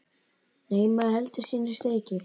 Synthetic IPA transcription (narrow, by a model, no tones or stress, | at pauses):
nejmːahɛlt̪ɪsiːnɪ̥st̪eecɪ